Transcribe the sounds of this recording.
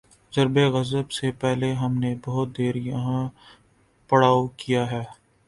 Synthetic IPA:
zɐɾbeɣɐzəbsepɛɦleɦɐmnebɐɦʊt̪̚d̪eːɾjɐɦã | pɐɽaːokijaɦɛː

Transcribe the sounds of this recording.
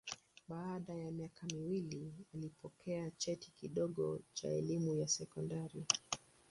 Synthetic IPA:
ɓaːɗajamiakʰamiwilialipɔkʰɛat͡ʃɛtikiɗɔɠɔt͡ʃa̰ɛlimujasɛkɔndaɾi

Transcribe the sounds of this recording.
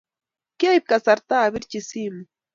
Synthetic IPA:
kajp̚kasaɾt̪aːβɪɾt͡ʃisim

